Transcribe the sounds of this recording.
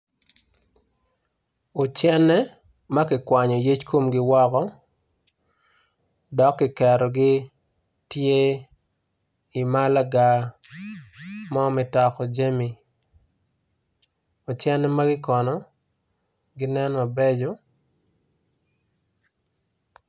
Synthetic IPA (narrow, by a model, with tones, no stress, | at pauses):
o˨t͡ʃɛ˦nɛ˦ | ma˦kɪ˨kwa˨ɲɔ˨je˦t͡ʃko˦mɡɪ˦wɔ˦kɔ˦ | dɔ˨kːɪ˨kɛ˨ɾɔ˨ɡɪ˦ | tje˦ | ɪ˨ma˦la˦ɡa˨ | mɔ˦mɪ˨ta˨kɔ˨d͡ʒe˦mi˨ | o˨t͡ʃɛ˦nɛ˦ma˦ɡɪ˦kɔ˨nɔ˨ | ɡɪ˦nɛ˦nma˨be˦d͡ʒo˨˦